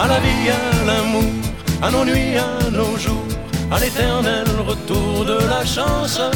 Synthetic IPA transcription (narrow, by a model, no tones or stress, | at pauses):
alavialamuʁanonɥianoʒuʁalet̪ɛʁnɛlʁət̪uʁd̪əlaʃɑ̃s